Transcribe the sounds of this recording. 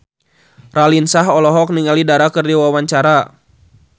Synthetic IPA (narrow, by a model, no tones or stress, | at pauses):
ralinsaɦɔlɔɦɔk̚niŋalidaɾakərdiwawaɲt͡ʃaɾa